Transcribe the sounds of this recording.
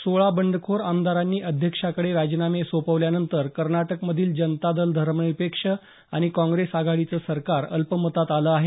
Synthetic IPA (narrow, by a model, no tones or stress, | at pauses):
soɭabəɳɖəkʰoɾamd̪aɾanːiːʔəd̪ʱjəkʂakəɽeɾad͡ʑnamesopəʋljanənt̪əɾkəɾnaʈəkməd̪ʱiːld͡ʑənt̪ad̪əld̪ʱəɾməipekʂə | aɽ̃ikɔ̃ŋɡɾesaɡʱaɭit͡səːsəɾkaɾə̰lpəmət̪at̪aləːaɦe